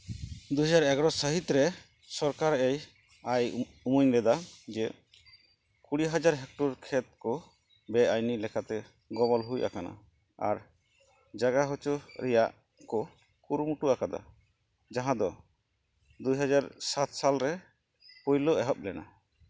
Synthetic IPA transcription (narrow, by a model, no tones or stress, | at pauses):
d̪ujɦad͡ʒaɾɛɡɾɔsəɦit̪ɾɛ | sɔɾkaɾej | aj | umuɲlɛd̪ad͡ʒɛ | kuɽiɦad͡ʒaɾɦɛk̚ʈɔɾkʰɛt̪̚kɔ | bɛajnilɛkat̪ɛ | ɡɔbɔlɦujʔa̰kana̰ | a̰ɾ | d͡ʒaɡaɦɔt͡ʃuɾɛja̰ʔ | kɔ | kuɾmuʈuakad̪a̰ | d͡ʒaɦãd̪ɔ | d̪ujɦad͡ʒaɾsat̪salɾɛ | pujlɔʔɛɦɔp̚lɛna̰